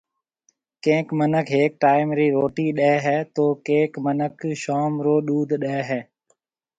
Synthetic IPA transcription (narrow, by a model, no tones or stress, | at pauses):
kẽːkmənəkʰɦeːk̚ʈaːɪmɾiːɾoːʈiːɗɛːɦɛːt̪oːkẽːkmənəkʃaːmɾoːɗuːd̪ʱɗɛːɦɛː